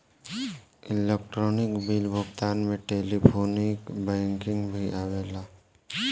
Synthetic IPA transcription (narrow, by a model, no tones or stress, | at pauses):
ɪlekʈɾoːnɪkbiːlbʱʊɡt̪aːnmẽʈeːlipʰoːnɪkbɛ̃ːŋkɪ̃ŋɡbʱiʔaːweːlaː